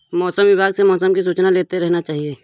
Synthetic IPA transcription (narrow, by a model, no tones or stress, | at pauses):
mɔːsəmʋɪbʱaːɡsemɔːsəmkis̬uːt͡ʃnaleːt̪eɾɛɦnat͡ʃaːɦieː